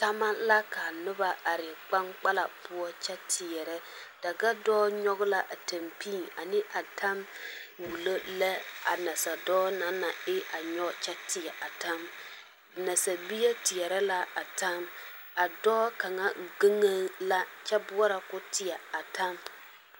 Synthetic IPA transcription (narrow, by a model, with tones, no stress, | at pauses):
ta˦ma˦la˦ka˨nʊ˦ba˦ʔa˨ɾɪ˨k͡pa˦ŋk͡pa˦la˨pʊ˦ɔ˦t͡ʃɛ˦tʰɪ˨ɛ˨ɾɛ˦ | d̥a˨ɡa˦dɔː˦ɲɔ˦ɣʊ˦la˦ʔa˨ta˨mpi˦˨na˨nɪ˦ʔa˨tʰa˦mwu˨lo˦lɛ˦a̰˨na˨sa˨dɔː˦na˦na˨ɪ˦ʔa˨ɲɔ˦t͡ʃɛ˦tɪ˨ɛ˨ʔa˨ta˦m˨ | na˨sa˨bi˦ja˦tɪ˨ɛ˨ɾɛ˦la˦ʔa˨ta˦m | a˨dɔː˦ka˨ŋa˦˨ɡe˦ŋa˦la˦t͡ʃɛ˦bʊ˦ɔ˦ɾa˨kʊ˦tɪ˨jɛ˨a˨ta˦m